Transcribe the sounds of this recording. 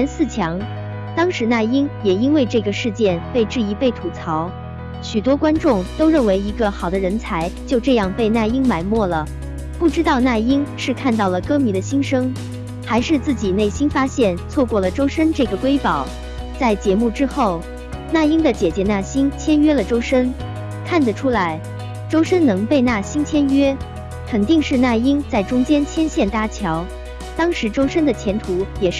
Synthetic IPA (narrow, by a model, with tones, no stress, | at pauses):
ɛ˧˥nsɹ̩˥˩t͡ɕʰjɑ˧˥ŋ | t̪ɑ˥ŋʂɻ̩˧˥na˥˩i˥ŋjɛ˨˩i˥nwe˥˧ɪʈ͡ʂɤ˥˩ɡə˩ʂɻ̩˥˧t͡ɕjɛ˥˧npe˥˧ɪʈ͡ʂɻ̩˥˩i˧˥pe˥˩ɪt̪ʰu˨˩t͡sʰɑ˧˥ʊ | ɕy˨˩t̪̬wɔ˥kwa˥nʈ͡ʂʊ˥˩ŋt̪o˥ʊɻə˥˩nwe˧˥ɪi˧˥ɡə˧xɑ˨˩ʊd̪ə˦ɻə˧˥nt͡sʰa˧˥ɪt͡ɕjo˥˧ʊʈ͡ʂɤ˥˧jɑ˥˧ŋpe˥˧ɪna˥˩ɪi˥ŋma˧˩ɪmwɔ˥˩lə˩ | pu˥˩ʈ͡ʂɻ̩˥t̪ɑ˥˧ʊna˥˩i˥ŋʂɻ̩˥˧kʰa˥˧nt̪ɑ˥˩ʊlə˩kɤ˥mi˧˥d̪ə˧ɕi˥nʂɤ˥ŋ | xa˧˥ɪʂɻ̩˥˧t͡sɹ̩˥˩t͡ɕi˨˩ne˥˩ɪɕi˥nfa˥ɕjɛ˥˩nt͡sʰwɔ˥˧kwɔ˥˩lə˩ʈ͡ʂo˥ʊʂə˥nʈ͡ʂɤ˥˩ɡə˩kwe˥ɪpɑ˨˩˦ʊ | t͡sa˥˩ɪt͡ɕjɛ˧˥mu˥˩ʈ͡ʂɻ̩˥xo˥˩ʊ | na˥˩i˥ŋd̪ə˨t͡ɕjɛ˨˩t͡ɕjɛ˧˥na˥˩ɕi˥nt͡ɕʰjɛ˥nɥɛ˥lə˨ʈ͡ʂo˥ʊʂə˥n | kʰa˥˩nd̪ə˩ʈ͡ʂʰu˥la˧˥ɪ | ʈ͡ʂo˥ʊʂə˥nnɤ˧˥ŋpe˥˧ɪna˥˩ɕi˥nt͡ɕʰjɛ˥nɥɛ˥ | kʰə˨˩nt̪i˥˧ŋʂɻ̩˥˧na˥˩i˥ŋt͡sa˥˩ɪʈ͡ʂʊ˥ŋt͡ɕjɛ˥nt͡ɕʰjɛ˥nɕjɛ˥˩nt̪a˥t͡ɕʰjɑ˧˥ʊ | t̪ɑ˥ŋʂɻ̩˧˥ʈ͡ʂo˥ʊʂə˥nd̪ə˨t͡ɕʰjɛ˧˥nt̪ʰu˧˥jɛ˨˩˥